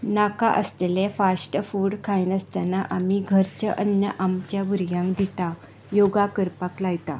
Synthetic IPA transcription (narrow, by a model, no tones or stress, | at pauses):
nakaʔəst̪elefasʈəfuːɽkʰainəst̪anaʔamiɡʱəɾt͡ɕəʔənːəʔamt͡ɕjaʋuɾɡãŋkd̪it̪a | joɡakəɾpaklajt̪a̰